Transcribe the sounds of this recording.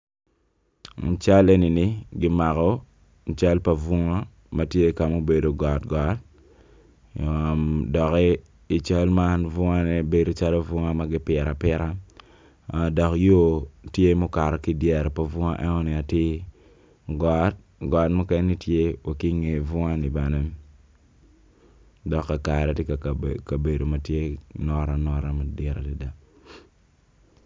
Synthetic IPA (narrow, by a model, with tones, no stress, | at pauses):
n̩˨t͡ʃa˦le˦ni˨nɪ˦ɡɪ˦ma˨kɔ˦ | n̩˨t͡ʃa˦lpa˨vʊ˦ŋa˦ | ma˨tje˦ka˨mo˦be˨do˨ɡɔ˨tɡɔ˨˦t̚ | o˨mdɔ˨kɛ˦ | i˨t͡ʃa˦lma˦nvʊ˦ŋa˦nɛ˨be˦do˨t͡ʃa˦lo˦vʊ˦ŋa˦ma˨ɡɪ˦pɪ˨ɾa˨pɪ˦ɾa˦˨ | dɔ˨kjo˦tje˦mo˦ka˨ɾɔ˨ki˦dɛ˨ɾpɔ˦vʊ˦ŋa˦ʔɛ˦ŋɔ˦ni˨a˨ti˦ | ɡɔ˨˦t̚ | ɡɔ˨˦tmɔ˦kɛ˦ni˦tje˦wa˨ki˦ŋe˨vʊ˦ŋa˦ni˨ba˨nɛ˦ | dɔ˨kːa˨ka˨ɾɛ˨tɪ˦ka˨ka˨be˨do˨ma˨tje˦nɔ˦ɾa˨nɔ˦ɾa˦ma˨dɛ˦ɾa˨ti˦da˨